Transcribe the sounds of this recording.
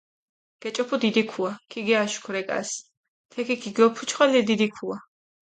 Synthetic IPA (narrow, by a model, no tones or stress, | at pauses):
ɡ̥ɛt͡ʃʼɔpʰud̪id̪ikʰuakʰiɡɛaʃu̥kʰɾɛkʼa̰s | t̪ʰɛkʰikʰiɡɔpʰut͡ʃʰχwalɛd̪id̪ikʰua